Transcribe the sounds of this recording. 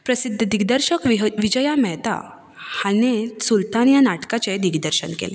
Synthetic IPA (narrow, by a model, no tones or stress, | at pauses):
pɾəsid̪ʱːd̪iɡd̪əɾɕəkʋʋid͡ʑəjamɛɦt̪a̰ | hanesult̪anjanaʈkat͡ɕed̪iɡd̪əɾɕənkḛle